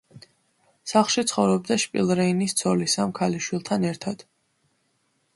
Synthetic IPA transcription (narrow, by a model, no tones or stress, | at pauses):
saχlˠʃit̪sʰχɔvɾɔb̚d̪aʃpʼḭlˠɾɛinist̪sʰɔlisamkʰaliʃwilˠt̪ʰanɛɾt̪ʰad̪̥